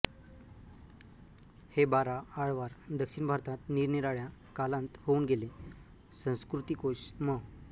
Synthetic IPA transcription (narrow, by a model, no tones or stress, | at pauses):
hebaɾaaɭʋaɾd̪əkʂinbʱaɾt̪ãt̪niːɾniɾaɭjakalãnt̪houːnɡele | sə̃w̃skɾut̪ikoɕmə